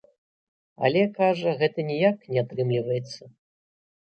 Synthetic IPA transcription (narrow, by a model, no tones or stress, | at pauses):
ɐ̰lʲɛkaʐɐɣɛt̪ɐnʲɛjaknʲɛat̪ɾɨmlʲivɐjɛt̪sːɐ